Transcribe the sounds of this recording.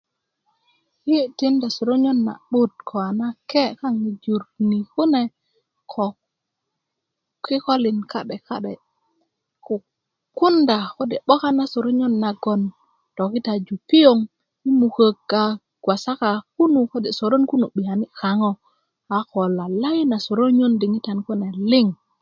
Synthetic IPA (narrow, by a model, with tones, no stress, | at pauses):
hi˦ti˦nda˨so˨ɾo˦ɲo˦nːa̰˨ɓu˦t̚kʰo˨a˨na˦ke˦ka˦ŋni˨d͡ʒu˨ɾni˨ku˦ne˨ | kʰo˨ | ki˦ko˦li˨nka˨ɗe˨ka̰˦ɗe˨ | ku˨ | ku˦nda˨ko˦de˨ɓo˦ka˦na˦so˨ɾo˦ɲo˦nːa˨ɡo˨n | to˨ki˦ta˨d͡ʒu˨pi˦jo˦ŋ | i˦mu˨kə˨kːa˨ | ɡ̥wa˨sa˦ka˨ku˦nu˨ko˦de˨so˨ɾo˦nku˦nu˨ɓi˨a˨ni˦ka˨ŋo˦ | a˨ko˨la˨la˦jna˨so˨ɾo˦ɲo˦ndi˨ŋi˦ta˨nku˦ne˨li˦ŋ